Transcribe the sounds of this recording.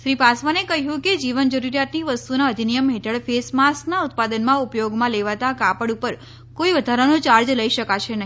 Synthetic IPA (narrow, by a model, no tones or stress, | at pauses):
ʃɾipasʋanekəɦjũked͡ʒiʋənd͡ʒəɾuɾjat̪niʋəst̪unaəd̪ʱinijəmɦeʈʰəɭfesmasnaut̪̚pad̪ənmãupjoɡmãleʋat̪akapəɽupəɾ | koiʋəd̪ʱaɾanõt͡ʃaɾd͡ʒləiʃəkaʃenəɦi